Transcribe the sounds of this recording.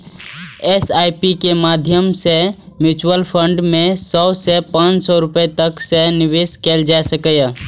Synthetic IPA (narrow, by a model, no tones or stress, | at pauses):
esaipikemad̪ʱjəmse | mjut͡ʃwəlpʰəɳɖmẽsɔsepãːt͡ʃsɔɾʊpet̪əkseniʋeskeld͡ʒaesəkəj